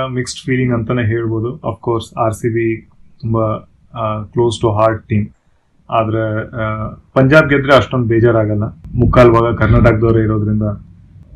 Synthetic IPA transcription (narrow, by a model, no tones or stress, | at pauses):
miksʈfiːlĩŋɡɐnt̪ɐneːɦe̞ːɭboːd̪uɐ̰pʰkoːɾsaːɾsibit̪umbɐ | kloːsʈuɦaːɾʈ̚ʈiːm | aːd̪ɐɾe | pɐɲd͡ʒaːb̚ɡed̪ɾeɐʂʈond̪ubeːd͡ʒaːɾaːɡɐlːɐmukaːlʋaːɡɐkɐɾnaːʈaːɡ̚d̪oːɾɐiɾoːd̪ɾind̪ɐ